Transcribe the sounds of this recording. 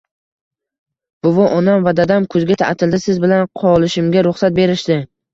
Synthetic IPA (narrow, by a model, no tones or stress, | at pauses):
b̥ʊvɒʔɒnamvad̪ad̪amkʰɵzɡʲat̪ʰa̰ʔt̪ʰɪld̪ɪsɪzbɪlanqʰɒlˠɪʃɪmɡʲaɾʊχsat̪̚be̞ɾɪʃd̪ɪ